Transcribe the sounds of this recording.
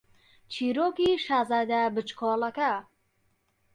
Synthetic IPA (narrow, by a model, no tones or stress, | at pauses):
t͡ʃʰiːɾoːkiʃaːzaːd̪abɨt͡ʃkʰoːlɐkɐ